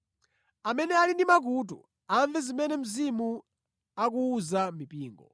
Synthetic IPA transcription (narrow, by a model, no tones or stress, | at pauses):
amɛnɛalindimak̬uːt̬ṵ | aɱvɛzimɛnɛm̩zimu | ak̬uːzamipiːŋɡɔ̰